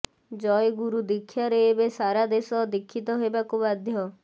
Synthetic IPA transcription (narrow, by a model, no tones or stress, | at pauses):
d͡ʒɔjɡuɾud̪ikʰːjaɾeːbesaɾad̪esɔd̪ikʰːit̪ɔɦebakubad̪ʱjɔ